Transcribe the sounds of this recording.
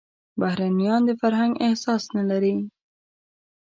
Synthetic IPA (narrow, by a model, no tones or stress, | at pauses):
bahɾanijɑnd̪əfaɾɦaŋɡɪhsɑsnalaɾi